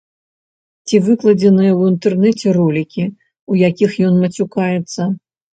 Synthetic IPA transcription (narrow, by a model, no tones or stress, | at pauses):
t͡sʲivɨklˠɐd͡zʲɛnɨjɐwint̪ɛrnɛt͡sʲɛrɔlʲikʲi | ujakʲixjɔnmɐt͡sʲukajɛt̪sːɐ